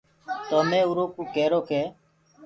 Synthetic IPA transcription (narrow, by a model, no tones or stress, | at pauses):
t̪oːmẽːuːɾoːkuːkeːɾoːkeː